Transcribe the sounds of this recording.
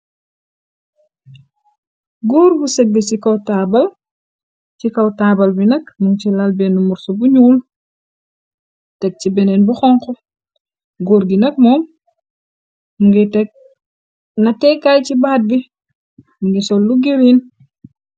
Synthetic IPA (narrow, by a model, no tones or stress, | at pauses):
ɡuːɾbusɛɡːɛsikɐwtaːbɐl | cikɐwtaːbɐlbinɐkmuŋt͡ʃilalbɛnumuɾsobuɲuːl | tɛk̚t͡ʃibɛnɛnbuxɔŋkɔ | ɡoːɾɡinɐk̚mɔːm | muŋɡitɛk̚ | nɐtɛːkːajcibaːt̚bi | muŋɡisɔlːuɡiɾin